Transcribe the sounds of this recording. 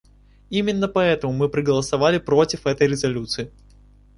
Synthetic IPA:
imʲɪnːəpɐɛt̪əmʊmɨpɾəɡəlˠəsɐvalʲɪpɾo̞tʲɪfɛt̪əjɾʲɪzɐlʲut̪sɨɪ

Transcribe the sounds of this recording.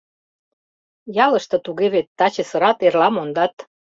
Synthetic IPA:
jɑlə̆ʃt̪ɤ̆t̪uɣeβet̪ːɑt͡ɕesə̆ɾɑt̪erlɑmond̪ɑt̪

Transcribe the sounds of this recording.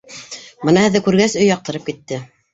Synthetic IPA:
bɤnɑhɘ̆ðːɘkʉɾɡæsɵ̆jɑq̚t̪ɤ̆ɾɤp̚kit̪ːɘ

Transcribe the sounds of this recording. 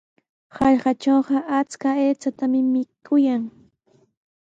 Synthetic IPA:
hɑʎɢɑʈ͡ʂoːɢɑʔat͡skaeːt͡sat̪amɪmɪkʰʊjaŋ

